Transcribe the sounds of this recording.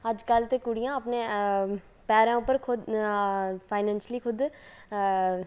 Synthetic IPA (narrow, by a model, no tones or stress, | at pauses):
əd͡ʒkəlt̪eːkʊɽijãːəpnẽː | pɛːɾãːʊpːəɾkʰʊd̪ | pʰaːɪnɛ̃ːnʃliːkʰʊd̪